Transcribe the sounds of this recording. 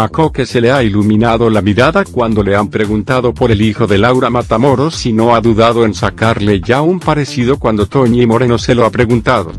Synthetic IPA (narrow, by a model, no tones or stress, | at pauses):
ako̞ke̞se̞leailumĩnaðo̞lamiɾaðakwand̪o̞le̞ampɾe̞ɣunt̪aðo̞po̞ɾe̞lixo̞ðe̞lawɾamat̪amo̞ɾo̞sino̞aðuðaðoe̞nsakaɾle̞ʝaumpaɾe̞siðo̞kwand̪o̞t̪oɲemo̞ɾe̞noselo̞apɾe̞ɣunt̪aðo̞̰